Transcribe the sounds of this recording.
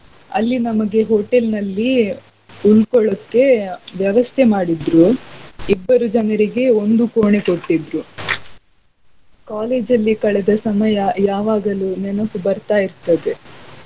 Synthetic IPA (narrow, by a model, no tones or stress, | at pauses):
ɐ̰lːinɐmɐɡe̞ɦoːʈelnɐlːi | ulkɔɭɐkːe̞ʋjɐʋɐst̪ʰemaːɽid̪ɾuibːɐɾud͡ʒɐnɐɾiɡe̞o̞nd̪ukoːɳe̞ko̞ʈːid̪ɾu | kaːleːd͡ʒɐlːikɐɭɛd̪ɐsɐmɐjɐjaːʋaːɡɐlunɛnɐkːubɐɾt̪aːjiɾt̪ɐd̪e̞